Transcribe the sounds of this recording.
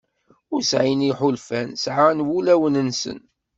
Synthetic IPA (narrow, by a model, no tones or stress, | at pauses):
ʊɾsʕiniħʊlfænsʕanwulæwənənsə̰n